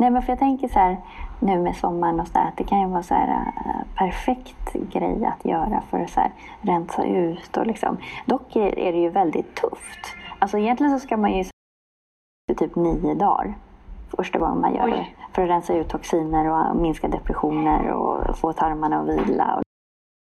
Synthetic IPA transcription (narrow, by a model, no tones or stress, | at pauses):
nɛːmɛnfœɾjaːt̪ʰɛŋkəʂæːɾ | nʉ̟ːmɛsɔmːaɳɔsɔnd̪æ̰ːɾat̪̚d̪ɛkʰanjɵvɑːsɔhæ̰ːɾa̰pʰæɾfɛkt̪ɡɾɛ̰jːa̰t̪ʰjœːɾa̰fœ̰ɾɔsæ̰ːɾ | ɾɛnsa̰ʔʉ̟ːt̪ɔ̰lɪksɔ̰md̪ɔkːɛɛ̰ɖɛjɵvɛld̪ɪt̪ʰːɵft̪alsɔɪjɛnt̪lɪɡənsɔskamanjɵs | tɪt̪ʰyːpniːʊd̪ɑ̰ːɾfœʂʈaɡɔ̰ŋːəma̰njœ̰ːɖɛfœɾɔɾɛnsaʉ̟ːt̪ʰːɔksiːnəɾɔmɪnskad̪ɛpɾɛɧuːnəɾɔ̰foːt̪ʰaɾmaɳaɔviːlaɔ̰